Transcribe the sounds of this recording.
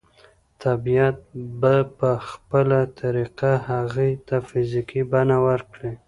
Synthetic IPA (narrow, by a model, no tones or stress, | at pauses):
t̪abijat̪̚bapəxpəlat̪ʰaɾiqahaɣit̪afɪzikibanawəɾkɽi